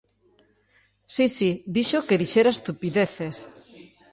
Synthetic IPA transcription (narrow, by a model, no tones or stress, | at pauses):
sisid̪iʃokeðiʃeɾaest̪upiðeθes